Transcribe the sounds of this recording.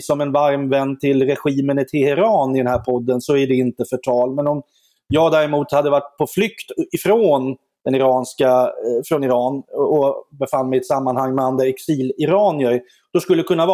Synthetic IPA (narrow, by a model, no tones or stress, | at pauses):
sɔmɛnvaɾmvɛnːt̪ʰɪlɾɛɧiːmənɪt̪ʰɪlhɪɾɑːnɪd̪ɛnhæːɾpʰɔd̪ːənsɔæɖɛɪnt̪əfœʈʰɑːlmɛnɔm | jɑːɡd̪æːɾɛmuːt̪had̪ːəvaʈːpʰɔflʏkt̪ɪfɾoːn | d̥̪ɛnɪɾɑːnskafɾɔnɪɾɑːnɔbɛfanːmɛjɛt̪samːanhaŋːmɛand̪ɾaɛksiːlɪɾɑːnjœɾ | d̪̥ɔskɵlːəd̪ɛkʰɵnːav